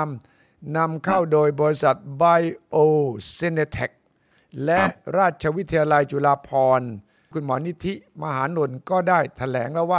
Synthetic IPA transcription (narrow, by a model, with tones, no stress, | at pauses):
m | na˧mkʰa˥˩wdoː˧jbɔː˧ɾi˦˥sa˨˩t̪̚ba˧jʔoː˧se˧ne˧t̪ʰɛ˨˩k̚ | lɛ˦˥ʔɾaː˥˩t̪̚t͡ɕʰa˧wi˦˥t̪ʰːa˧jaː˧la˧jt͡ɕu˧laː˧pʰɔː˧n | kʰu˧nmɔː˩˦˥ni˦˥t̪ʰi˦˥ma˧ɦaː˩˦no˧nkɔː˥˩daː˥˩jt̪ʰa˧lɛː˩˦ŋlɛ˦˥waː˥˩